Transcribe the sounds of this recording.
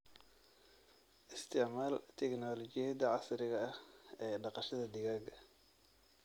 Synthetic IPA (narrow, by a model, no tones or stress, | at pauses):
ʔɪst̪ʰɪʕmaːlt̪ʰɛknɔːlɔt͡ʃɪjɐd̪ɐʕɑsɾɪɣɐɐhɛːɖɑqɑʃɐðɐd̪ɪɣaːɡɐ